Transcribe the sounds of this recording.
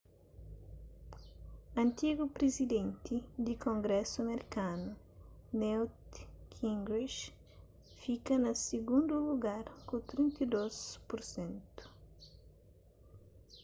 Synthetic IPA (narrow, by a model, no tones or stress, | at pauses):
ɐ̃nt̪iɡupɾezid̪ẽnt̪id̪ikõŋɡɾɛsuɐmeɾikanu | nɛwt̪kʰĩŋɡɾiʃ | fikɐnɐsiɡũnd̪uluɡaɾkut̪ɾĩnt̪id̪ospuɾsẽnt̪u̥